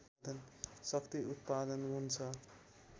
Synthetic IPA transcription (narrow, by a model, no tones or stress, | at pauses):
d̪ʌnsʌkt̪iut̪̚pad̪ʌnɦunt͡sʰʌ